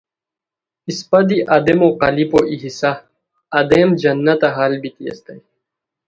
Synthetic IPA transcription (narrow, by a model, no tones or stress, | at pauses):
ispɐd̪iʔɐd̪emoqɐlipoʔiɦisaː | d̪emd͡ʑɐnːɐt̪ɐɦaːlbit̪iɐ̰st̪ɐj